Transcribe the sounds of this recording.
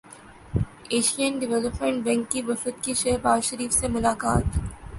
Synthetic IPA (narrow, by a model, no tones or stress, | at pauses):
eːʃiənɖɪʋɛləpmẽɳʈ̚bɛ̃ŋkːiʋɐfət̪kiʃeɦɾbaːzʃɐɾiːfsemʊlaːkaːt̪